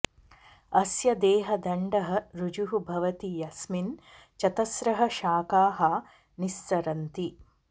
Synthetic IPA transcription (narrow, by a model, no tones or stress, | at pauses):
ɐsjɐd̪eːɦɐd̪ɐɳɖɐɦɐ̆ɾud͡ʒuɦubʱɐʋɐt̪ijɐsmin | t͡ʃɐt̪ɐsɾɐɦɐ̆ʃaːkaːɦɐ | nist̪ɐɾɐnt̪i